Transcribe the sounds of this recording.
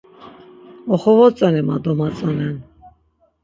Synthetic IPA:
ɔχɔvɔt͡sʼanɛma̰d̪ɔmat͡sʼanɛn

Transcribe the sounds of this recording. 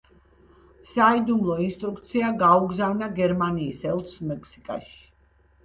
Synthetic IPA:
said̪umlˠɔinst̪ʼɾuk̚t̪sʰiaɡauɡzavnaɡɛɾmaniːsɛlˠt̪smɛkʰsi̥kʼa̰ʃi̥

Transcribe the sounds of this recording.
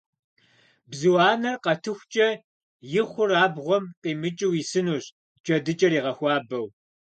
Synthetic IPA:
bzɨwaːnɐrqɐtʰɨxʷt͡ʃʼɐ | jɪχʷʊraːbʁʷɔmqʼiːmɨt͡ʃʼɪwisɨnuːɕ | t͡ʃʼɐdɨt͡ʃʼɐɾiːʁɐxʷɑːbɐw

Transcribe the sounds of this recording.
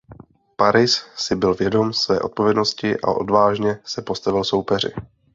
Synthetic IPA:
paɾɪssɪbɪlvjɛdo̞msvɛːʔo̞t̪po̞vjɛdnoscɪʔa̰ʔo̞̰dvaːʒɲɛsɛpo̞st̪avɪlso̞wpɛr̝ɪ̰

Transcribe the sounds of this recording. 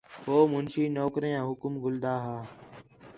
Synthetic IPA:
ɦoːmʊnʃiːnoːkɾijãːɦʊkmɡʱʊld̪aːɦaː

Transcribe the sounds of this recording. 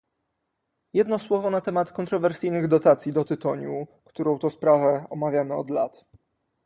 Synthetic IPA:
jɛd̪nɔswɔvɔnat̪ɛmat̪kɔnt̪ɾɔvɛɾsɘjnɘɣd̪ɔt̪at̪sʲjid̪ɔt̪ɘt̪ɔɲukt̪uɾɔ̃w̃t̪ɔspɾavɛɔmavʲjamɘɔd̪lat̪

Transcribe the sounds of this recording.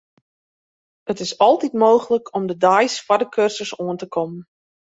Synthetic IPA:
ətɪsɔlˠtitmoːχələkʰɔmdədajsfadəkʰørsəsoəntəkʰɔmən

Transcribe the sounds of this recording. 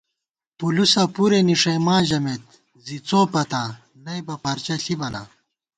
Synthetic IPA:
pulusapuɾeniʂɐmaːʑɐmet̪ | zit͡soːpɐt̪a | nɐjbɐpɐɾt͡ɕɐɬʰibɐna̰

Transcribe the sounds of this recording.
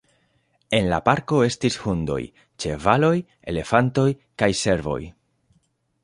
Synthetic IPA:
e̞nla̰paɾko̞e̞stishundo̞̰j | t͡ʃe̞valo̞j | e̞̰le̞fanto̞j | kajse̞ɾvo̞̰j

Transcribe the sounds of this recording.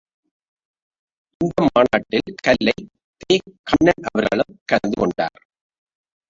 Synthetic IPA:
ʔɪnd̪ɐmaːnaːʈːɪlkɐlːɐɪ | t̪eːkːɐnːɐnʔɐʋɐɾɣɐɭɯmkɐɾnd̪ɯkɔɳɖa̰ːɾ

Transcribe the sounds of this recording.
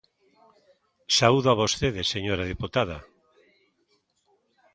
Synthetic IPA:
sauðoaβost̪eðeseɲoɾaðeput̪aða

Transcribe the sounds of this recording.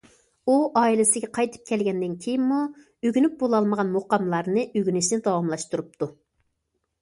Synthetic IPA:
uʔɑːilɪsɪɡʲɛqʰɑjt̪ʰɨ̥p̚kʲʰɛlɡʲɛnd̪ɪnkʲʰejinmu | øɡʲynyp̚bolˠɑlˠməʁɑnmoqɑmlˠɑɾnɨʔøɡʲynɪʃnɪd̪ɑwɑmlˠɑʃt̪uɾup̚t̪ʰu

